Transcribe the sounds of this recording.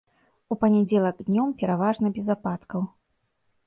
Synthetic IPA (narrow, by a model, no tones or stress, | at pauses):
upɐnʲɛd͡zʲɛlˠɐɡd̪ʲnʲɔmpʲɛɾavaʐnɐbʲɛzapat̪kɐw